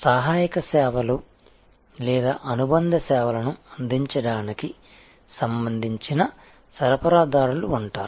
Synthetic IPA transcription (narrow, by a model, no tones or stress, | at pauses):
saːɦaːjɐkɐsɛːʋɐlu | lɛːd̪aːʔɐnubɐnd̪ʱɐsɛːʋɐlɐnuɐnd̪ʱiɲt͡ʃɐɽaːniki | sɐmbɐnd̪ʱiɲt͡ʃinɐ | sɐɾɐpɐɾaːd̪aːɾuluːɳʈaːɾu